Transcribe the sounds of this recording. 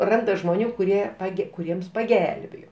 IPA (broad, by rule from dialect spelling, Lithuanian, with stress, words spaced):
ˈrɐndɐ ʒmoːˈnʲuː kʊˈrʲiɛ pɐˈɡʲɛ kʊˈrʲiɛms pɐˈɡʲɛlʲbʲeːjoː